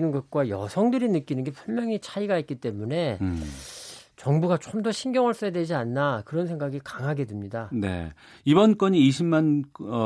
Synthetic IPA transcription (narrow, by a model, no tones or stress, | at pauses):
nɯnɡʌt̚k͈wajʌ̰sʰʌŋdɯɾinɯk͈inɯnɡe̞pʰuɭmjʌŋit͡ɕʰaiɡait̚k͈it͈e̞mune̞ | t͡ɕʌŋbuɡat͡ɕ͈omdʌɕʰinɡjʌŋɦʌɭs͈ʌedwe̞d͡ʑianːakɯɾʌnsʰeŋɡaɡikaŋɦaɡe̞dɯmɲidane̞̰ | ibʌnk͈ʌɲiːɕʰimman